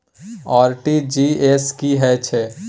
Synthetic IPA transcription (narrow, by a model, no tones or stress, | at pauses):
aːɾʈid͡ʒieskiɦɛt͡ʃʰɛ